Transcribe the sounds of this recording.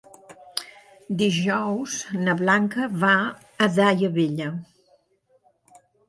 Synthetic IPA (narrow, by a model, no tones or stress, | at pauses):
d̪iʒɔwznəβlaŋkəβaː | ðajəβeʎə